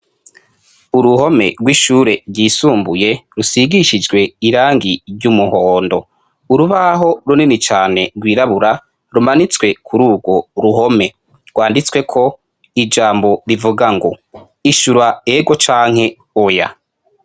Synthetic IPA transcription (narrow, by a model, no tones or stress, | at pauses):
uɾuho̞me̞̰ɾɡwiʃuːɾe̞ɾɟiːsuːmbuje̞ɾusiɡiʃid͡ʒɡwe̞iɾaːŋɡiɟumuhoːndo̞ | uɾuβaɦo̞ɾuninit͡ʃaːne̞ɡwiːɾaβuɾa | ɾumanit͡swe̞kʰuɾuːɡwo̞ɾuɦo̞me̞ | ɡwaːndit͡swe̞kʰo̞ | id͡ʒaːmbo̞ɾivuɡaŋɡo̰ | iʃuɾaeɡo̞t͡ʃaːŋhe̞ | oja̰